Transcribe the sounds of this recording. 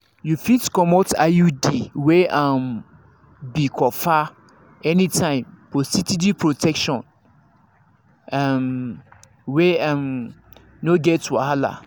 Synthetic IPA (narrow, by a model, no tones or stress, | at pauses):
jufitkɔmota̰judiweãm | bikʰɔfa | ɛnĩtʰãɪ̃mfɔsitidipɹotʰɛkʃɔ̃n | am | weãm | noɡɛtwa̰hala̰